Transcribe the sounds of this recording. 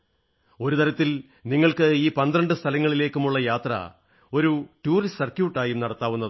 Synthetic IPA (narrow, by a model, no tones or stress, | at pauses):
o̞ɾut̪ɐɾɐt̪ːil | niŋːɐɭkɨiːpɐnd̪ɾɐɳɖɨst̪ʰɐlɐŋːɐɭile̞ːkːumuɭːɐjaːt̪rɐ̰ | o̞ɾuʈuːrissɐrkjuːʈːaːjumnɐɽɐt̪ːaːʋunːɐðɨ